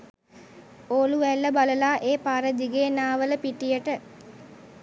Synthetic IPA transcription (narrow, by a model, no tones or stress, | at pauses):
oːluʋælːəbaləlaːʔeːpaːɾəd̪iɡeːnaːʋələpiʈijəʈə